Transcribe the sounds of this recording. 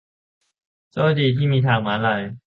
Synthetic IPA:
t͡sɔ˥˦t͡ɕiː˨˩t̪ʰiː˥˩miː˧t̪ʰaː˨˩ŋmaː˨˦nla˨˩j

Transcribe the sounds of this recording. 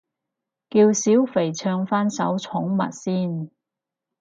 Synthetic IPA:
kiː˧wsiː˨˥wfe˨˩jt͡sʰœː˧ŋfaː˥nsɐ̰˨˥wt͡sʰʊ˨˥ŋmɐ̰˨t̚siː˥n

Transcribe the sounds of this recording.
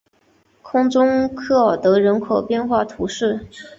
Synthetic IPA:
kʰʊ˥ŋʈ͡ʂʊ˥ŋkʰɤ˥˩ɑ˨˩t̪ɤ˧˥ɻə˧˥nkʰo˨˩ʊpjɛ˥˧nxwa˥˩t̪ʰu˧˥ʂɻ̩˥˩

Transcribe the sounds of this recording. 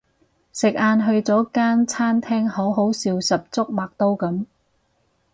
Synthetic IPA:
sɪ˨k̚aː˧nɦɵ˧ɥt͡sɔː˨˥kaː˥nt͡sʰaː˥nt̪ʰɛː˥ŋho˨˥wɦo˨˥wsiː˨˧wsɐ˨p̚t͡sʊ˥k̚maː˨k̚t̪o˥wkɐ˨˥m

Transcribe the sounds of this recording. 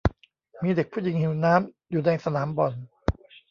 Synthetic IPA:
miː˧de˨˩k̚pʰuː˥˩ji˧˦ŋhi˨˩˦wnaː˦˥m | juː˨˩dɛː˧ŋsa˧naː˩˦mbɔ˨n

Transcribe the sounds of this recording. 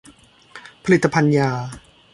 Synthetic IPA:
pʰa˧li˨˩t̪ːa˧pʰa˧njaː˧

